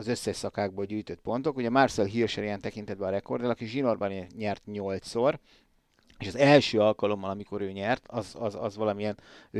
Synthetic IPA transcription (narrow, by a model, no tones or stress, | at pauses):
ɒzøsːɛʃsɒkaːɡ̚boːlɟyːjt̪øt̪̚po̞nt̪o̞kuɟɛmarsɛlɦirʃɛɾiaːnt̪ɛkint̪ɛd̪̚bɛɒɾɛko̞rd̪ɛlɒkiʒino̞rbaneɲɛrt̪ɲo̞lt̪so̞r | eːʃɒzɛlʃøːɒlkɒlo̞mːɒlɒmiko̞ɾøːɲɛrt̪ʰɒzɒzɒ̰zʋɒlɒmijɛn